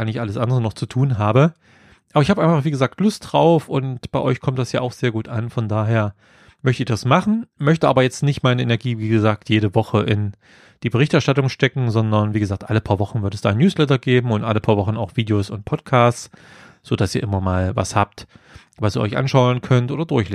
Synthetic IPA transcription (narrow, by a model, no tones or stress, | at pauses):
anɪçʔaləsʔandəʁənɔχt͡sutʰuːnɦaːbə | ʔaːbɐɪçhaːbəʔaɪnfaχv̥iːɡəzaːk̚tlʊstd̥ʁaʊfʔʊntb̥aɪʔɔʏçkʰɔmtd̥asjaːʔaʊxz̥eːɐɡuːtʔanfɔndaːɦeːɐ | mœçtəɪçd̥asmaχn̩mœçtəʔaːbɐjɛt͡stnɪçtmaɪnəʔenɛɐɡiːviːɡəzaːk̚tʰjeːɾəvɔχəʔɪn | d̥iːbəʁɪçtɛɐʃtatʊŋʃtɛkŋ̩zɔndɐnviːɡəzaːk̚tʔaləpʰaːɐvɔχn̩vɪɐtɛsd̥aːɪnjuːslɛtɐɡeːbm̩ʊntʔaləpʰaːɐvɔχn̩aʊxv̥iːdejoːsʊnt̚pʰɔtkʰaːst͡s | z̥oːd̥asiːɐʔɪmɐmaːlva̰shaːp̚t | vasiːɐɔ̰çʔa̰nʃaʊənkʰœntʔoːdɐdʊɐçleː